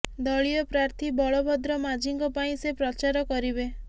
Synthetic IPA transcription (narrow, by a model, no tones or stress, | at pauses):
d̪ɔɭijɔpɾaɾt̪ʰibɔɭɔbɔd̪ɾɔmad͡ʒiŋkɔpaĩsepɾɔt͡ʃaɾɔkɔɾibe